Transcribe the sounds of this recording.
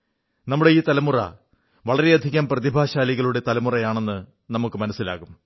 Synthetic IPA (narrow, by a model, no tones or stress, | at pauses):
nɐmːuɽe̞iːt̪ɐlɐmurɐ̰ | ʋɐɭɐɾeɐd̪ʱiɣɐmprɐðibʱaːɕaːliɣɐɭuɽe̞t̪ɐlɐmurɐjaːɳe̞nːɨ | nɐmukːɨmɐnɐsːila̰ːɣum